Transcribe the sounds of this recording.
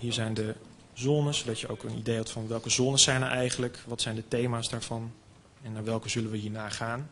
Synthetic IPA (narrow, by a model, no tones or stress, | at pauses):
ɦiːɹzɛjndə | zɔnənsowdɑtjəowkənḭdejɦɛtfɑnʋɛlˠkəzɔnəsɛjnəɹʔɛjχənləkʋɑtsɛjndətejmaːsdaːɹv̥ɑn | ɛnːaːɹʋɛlˠkəzɵlənʋəɦiːɹnaːχaːn